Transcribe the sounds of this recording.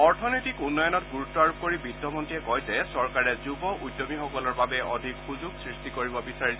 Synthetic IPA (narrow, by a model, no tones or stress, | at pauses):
ɔɹtʰɔnɔjtikunːɔjɔnɔtɡuɹutːɔaɹukoɹibidʱːɔmɔntiɛkɔjzɛsɔɹkaɹɛzubɔʔujdːɔmixɔkɔlɔɹbabɛɔ̰dʱikxuzuɡsɹistikoɹibɔbisaɹis